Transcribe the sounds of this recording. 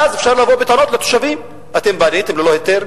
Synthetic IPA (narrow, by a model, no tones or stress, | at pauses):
azefʃaʁlavobet̪anot̪let̪o̥ʃavim | at̪embanit̪emlelohet̪eʁ